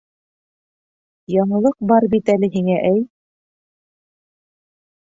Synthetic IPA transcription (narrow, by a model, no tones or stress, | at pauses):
jɑɴɤ̆lˠɤq̚bɑɾbit̪ælɘɦiŋæʔæj